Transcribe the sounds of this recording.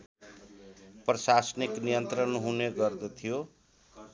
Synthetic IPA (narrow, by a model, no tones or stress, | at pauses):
prʌsasniknijʌnt̪rʌnɦuneɡʌrd̪ʌt̪ʰijo